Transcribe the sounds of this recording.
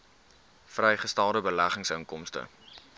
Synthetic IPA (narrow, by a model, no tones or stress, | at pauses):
frɛjχəstælˠdəbəlæχəŋsəŋkɔmstə̰